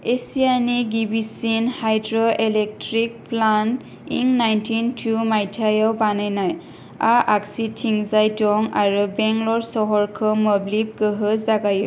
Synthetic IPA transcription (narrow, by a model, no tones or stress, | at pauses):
esijaniɡibisinhajdɹɔʔelɛk̚tɾik̚plant | iŋnajntʰintʰumajtʰajawbanajnaj | aʔaksitʰiŋzajdɔŋaɹubɛŋlɔɹsɔɦɔɹkʰɯmɔblip̚ɡɯɦɯzaɡajɯ